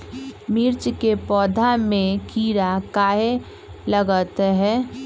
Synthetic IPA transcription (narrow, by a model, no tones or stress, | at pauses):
miɾt͡ʃkepɔːd̪ʱamẽkiːɾakaɦe | ləɡət̪ɦɛ